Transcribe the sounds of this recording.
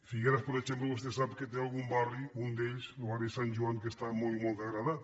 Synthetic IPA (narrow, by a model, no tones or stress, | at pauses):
fiɣeɾaspoɾet͡ʃempləβust̪esapket̪̬ealˠɣumbariund̪eʎsoβarisanʲʒuaŋkest̪amolmolˠt̪aɣɾaðat̪